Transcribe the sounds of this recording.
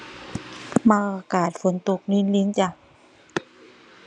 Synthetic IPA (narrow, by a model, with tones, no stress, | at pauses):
maː˧ʔaː˧kaː˨˩t̪̚fo˨˦nt̪u˧k̚ni˧˥˨nli˧˦˥ŋt͡ɕa˧˩